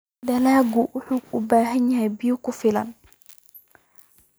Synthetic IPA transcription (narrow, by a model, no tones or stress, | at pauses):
d̪ɐlaːɡʊwʔʊħuːʊbaːɦɐnjɐɦɛjbɪjʊkʰʊfɪlɐ̰n